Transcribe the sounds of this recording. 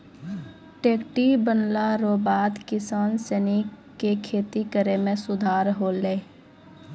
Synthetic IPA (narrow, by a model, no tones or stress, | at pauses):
ʈeːkʈibənlaɾoːbaːd̪kɪsaːnsɛni | kekʰeːt̪ikəɾemẽsʊd̪ʱaːɾɦoleː